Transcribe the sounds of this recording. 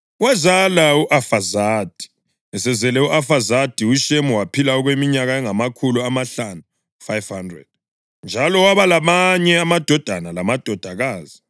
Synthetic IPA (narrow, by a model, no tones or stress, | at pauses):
wazalauʔafazaːd̥ʱi̥ | ɛsɛzɛlɛuʔafazad̥ʱiuʃemuwapʰilaɔɣwemiɲaɣaɛŋamakʰuluamaɬanu | fajvhandrɛ̰d̥̚ | nd͡ʒʱalɔwaβalamaɲɛamad̥ʱɔd̥ʱanalamad̥ʱɔd̥ʱaɣaːzi